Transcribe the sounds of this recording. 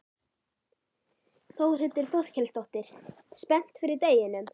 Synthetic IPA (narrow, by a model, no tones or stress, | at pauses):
θowrʏt̪ːɪɾ̥θɔð̥cʰɛlst̪ɔht̪ɪɾ̥ | spɛn̥t̪fɪɾɪɾt̪eːjɪnʏm